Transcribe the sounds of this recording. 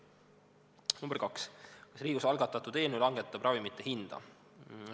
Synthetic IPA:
numbeɾkɑkskɑ̥sriːɡ̥usɑlɡɑt̪ːˑɑt̪ːˑud̪e̞ːnulɑŋɡ̥e̞t̪ːˑɑb̥rʔɑvimit̪ˑːehind̪̥ɑ̰

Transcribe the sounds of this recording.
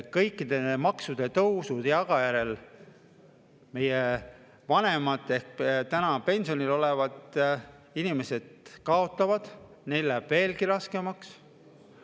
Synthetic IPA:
kɤjkˑːid̪̥e̞mɑksud̪̥e̞t̪ɤwsud̪̥jɑɡ̥ɑjæɾe̞l | me̞je | vɑne̞mɑt̪ˑːe̞hk̚t̪ænɑpe̞nsio̞nilo̞le̞vɑd̪ | inime̞se̞d̪̥̚kɑo̞t̪ˑːɑvɑd̪̥ | nejlːæb̥ve̞ːlɡiɾɑske̞mɑks

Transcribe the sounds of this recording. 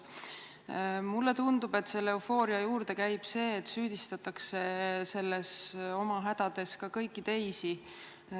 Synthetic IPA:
mulːe̞t̪und̪̥ube̞t̪ːˑse̞lːeufo̞ːɾiɑjuːɾd̪̥e̞kæjb̥se̞ːt̪ːsyːd̪̥ist̪ɑt̪ːˑɑkse̞se̞lːeso̞mɑɦæd̪̥ɑd̪̥e̞skɑkɤjkːˑit̪e̞jsi

